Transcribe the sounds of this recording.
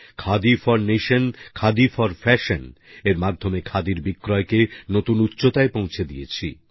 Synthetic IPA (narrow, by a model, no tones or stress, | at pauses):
kʰad̪ifɔɾneʃonkʰad̪ifɔɾfɛʃon | eɾmad̪ʱomekʰad̪iɾbikːɾɔekenot̪unutːɕot̪aepõwt͡ɕʰed̪ijet͡ɕʰi